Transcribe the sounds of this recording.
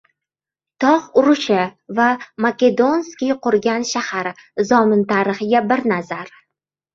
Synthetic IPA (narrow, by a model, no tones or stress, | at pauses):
t̪ʰɒʁʊɾʊʃɪvamakʲe̞d̪o̞nskʲijqʰʊɾɡʲanʃahaɾzɒmɪnt̪ʰaɾɪχɪɡʲabɪɾnazaɾ